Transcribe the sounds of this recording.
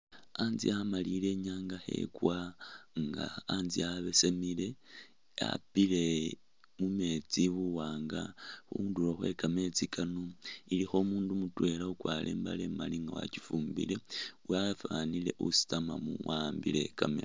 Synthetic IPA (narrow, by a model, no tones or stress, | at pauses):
aːnziamalile̞ɲaːŋɡaxe̞̰kwaŋɡaːnziaβe̞semile̞ | a̰pile̞ | mume̞t͡siβuwaːŋɡaxṵːnduloxwe̞kame̞t͡sikʰanoilixo̞muːndumutwe̞laukwaːlʔḛːmbalemaliŋɡawa̰t͡ʃifuːmbḭle̞uwafanile̞ʔusi̥tamamuwambile̞̰kamḛ